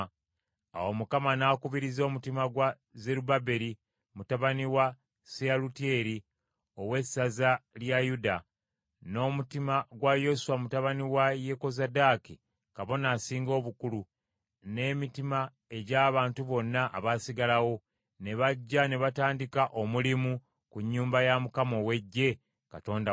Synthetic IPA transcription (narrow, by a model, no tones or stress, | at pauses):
a̰womukamanaːkuβiɾizo̞ːmutimaɡwa | ze̞ɾubabe̞ɾi | mutaβaniwa | sealutie̞ɾi | o̞we̞sazaljajuda | no̞ːmutimaɡwajo̞suwamutaβaniwaje̞ko̞zadaki | kaβo̞naːsiːŋɡo̞ːβukulu | ne̞mitima | e̞ɟaːβaːntuβo̞nːaʔa̰βasiɡalawo̞ | ne̞βaɟːane̞βataːndikaʔo̞mulimu | kuɲːuːmbajamukamo̞we̞ɟːe̞ | kato̞ːnda